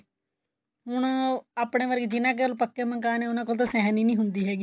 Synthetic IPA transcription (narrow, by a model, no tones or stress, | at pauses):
ɦʊɳaːpɳeːʋəɾɡd͡ʒɪnãːk̬eolpəkːemə̃ŋkaːneːʊnãːk̬oːlt̪aːsɛːɦniːnĩːɦʊnd̪iːɦɛːɡi